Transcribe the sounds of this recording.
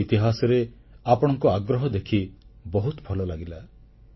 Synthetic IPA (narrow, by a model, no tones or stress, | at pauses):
it̪iɦasɔɾe | apɔɽ̃ɔŋkuaɡɾɔɦɔd̪ekʰibɔɦut̪bʱɔlɔlaɡila